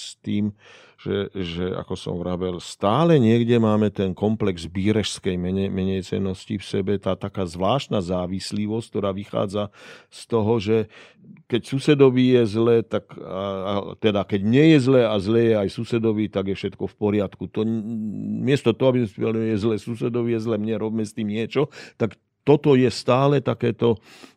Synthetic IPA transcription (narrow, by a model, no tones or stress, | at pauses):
st̪iːm | ʒ̥ɛʒɛa̰kɔsɔ̰mvɾabɛlst̪aːlɛɲɪɛɡɟɛmaːmɛt̪ɛnkɔmplɛɡzbiːɾɛʃskɛjmɛɲɛmɛɲɛjt͡sɛ̰nːɔscifsɛbɛt̪aːt̪akaːzʋlaːʃt̪nazaːʋisliʋɔsct̪ɔɾaːʋixa̰ːd͡zast̪ɔɦɔʒɛ | kɛcsusɛd̪ɔʋiːjɛzlɛːt̪aka̰t̪ɛd̪akɛɟmɲɛjɛzlɛːazlɛːjɛajsusɛd̪ɔʋiːt̪aɡjɛfʃɛt̪kɔfpɔɾɪat̪kut̪ɔ | mɪɛst̪ɔt̪ɔɦɔabizmɛspid̪aliɛjɛzlɛːsusɛd̪ɔʋiːjɛzlɛːmɲɛɾɔbmɛst̪iːmɲɪɛt͡ʃɔt̪ak | t̪ɔt̪ɔjɛst̪aːlɛt̪akɛːt̪ɔ